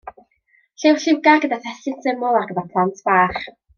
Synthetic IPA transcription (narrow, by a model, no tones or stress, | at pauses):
ɬewɬɪwɡaɡədaθɛsɪnsɪmʊlˠarɡədapʰlˠantʰb̥aːχ